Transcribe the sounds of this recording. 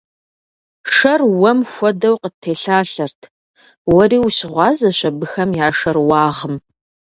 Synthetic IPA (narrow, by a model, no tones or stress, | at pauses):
ʂɐrwɔmxʷɔdɐwqətʰːeːɬaːɬɐrtʰ | wɐriːwɕɪʁʷɑːzɐɕɐbɨxɐmjaːʂɐrwɑːʁəm